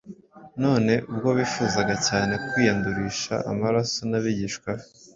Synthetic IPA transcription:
no̞ːne̞ʔub̚ɡo̞βiːfuːzaɡacaːne̞kwiːjanduɾiːʃa̰ʔa̰maɾasonaβiɟiʃkwa

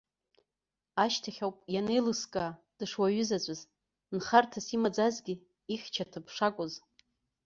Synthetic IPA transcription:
aʃtʰaχʲawpʼjane̞jlɨskʼaː | d̥ɨʂwaɥʏzat͡ɕʷʼaz | nχartʰasimad͡zazɡʲi | iχʲt͡ʃʰatʰɨpʰʂakʷʼʊz

